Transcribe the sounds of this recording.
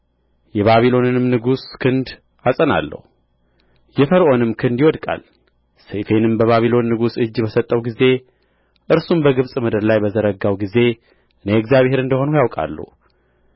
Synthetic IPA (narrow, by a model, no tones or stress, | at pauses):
jɛβaβilo̞nɨnɨmnɨɡuskʰɨnd̪ | asʼəna̰lːə̰hu | jɛfəɾʔo̞nɨmkʰɨnd̪jɪwɔd̪kʼa̰l | sefenɨmbəβaβilo̞nːɨɡusɨd͡ʒːbəsət̪ʼːəwɡize̞ | ʔɨɾsumbəɡɨβsʼməd̪əɾlajbəzəɾəɡawɡize̞ | ɨneɛkzjaβhe̞ɾɨnd̪əho̞nujawkʼa̰lːṵ